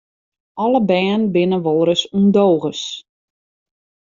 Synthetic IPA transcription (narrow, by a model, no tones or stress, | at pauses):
ɔləbɛːnbɪnəʋolˠɾəsundoːɣəs